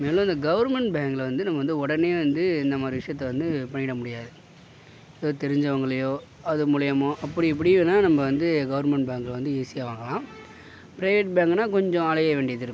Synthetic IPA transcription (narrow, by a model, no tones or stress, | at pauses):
meːl̃ɐnd̪ɐɡɐʋɐɾmɛɳʈbaːŋɡlʋɐnd̪ɯnɐmːɐʋɐnd̪ɯɔɽɐneːʋɐnd̪ɯɪnd̪ɐmaːɾɪʋɪʂɐjɐt̪ːɐʋɐnd̪ɯpɐɳːɪɽɐmʊɽɪjaːðɯ | ðot̪ɛɾɪɲd͡ʒɐʋɐŋɡɐɭɐjoː | ɐðɯmʊɻɐjɐmoʔɐpːɐɽiɪp̬ːɐɽɪenːaːnɐmːɐʋɐnd̪ɯɡɐʋɐɾmɛɳʈ̚baːŋɡlʋɐnd̪ɯiːsɪjaːʋaːŋɡɐlãː | pɪɾɐɪʋeʈ̚baːŋɡnaːkɔɲd͡ʒɔ̃ɐlɐjɐʋeːɳɖɪjɐðɪɾɯkːʊ̃